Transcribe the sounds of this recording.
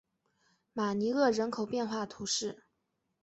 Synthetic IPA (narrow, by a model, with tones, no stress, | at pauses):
ma˨˩ni˧˥ɤ˥˩ɻə˧˥nkʰo˨˩ʊpjɛ˥˧nxwa˥˩t̪ʰu˧˥ʂɻ̩˥˩